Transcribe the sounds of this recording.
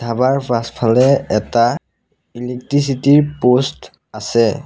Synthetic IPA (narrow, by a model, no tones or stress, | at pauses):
dʱabaɹpʰastpʰalɛɛta | ilek̚tɹis̬itiɹpost | asɛ